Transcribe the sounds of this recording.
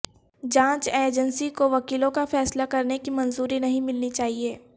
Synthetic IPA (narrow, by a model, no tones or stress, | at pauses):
d͡ʒãːt͡ʃeːd͡ʒə̃nsikoʋɐkiːlõkafɛːslakɐɾnekimɐnzuːɾinɐɦĩmɪlnit͡ʃaːɦieː